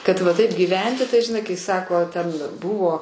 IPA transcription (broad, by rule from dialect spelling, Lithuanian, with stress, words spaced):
ˈkɐt ʋɐ ˈtɐɪp ɡʲiːˈʋʲɛnʲtʲɪ tɐɪ ʒʲɪˈnɐɪ kɐɪ ˈsɑːkoː tʲɛn ˈbʊʋoː